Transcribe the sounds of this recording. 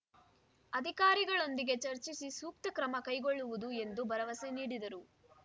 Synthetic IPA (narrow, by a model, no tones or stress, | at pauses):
ɐd̪ʱikaːɾiɡɐɭo̞nd̪iɡe̞t͡ʃɐɾt͡ʃisisuːk̚t̪ɐkɾɐmɐkɐjɡo̞ɭːuʋud̪ue̞nd̪ubɐɾɐʋɐseniːɽid̪ɐɾu